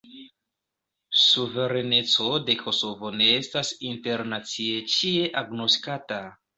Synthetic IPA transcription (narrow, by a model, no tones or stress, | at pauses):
suve̞ɾe̞ne̞t͡so̞de̞kʰo̞so̞vo̞ne̞estasinte̞ɾnat͡sie̞t͡ʃie̞ʔaɡno̞stkata